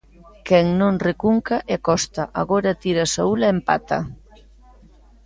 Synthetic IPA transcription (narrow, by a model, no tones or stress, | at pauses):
kɛŋnõŋrekuŋkaʔeakɔst̪aʔa̰ɣoɾat̪iɾasaulaempa̰t̪a̰